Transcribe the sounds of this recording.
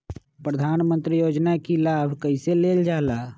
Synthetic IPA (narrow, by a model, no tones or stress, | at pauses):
pɾəd̪ʱaːnmə̃nt̪ɾijoːd͡ʒnakilaːbʱkəiseleːld͡ʒaːlaː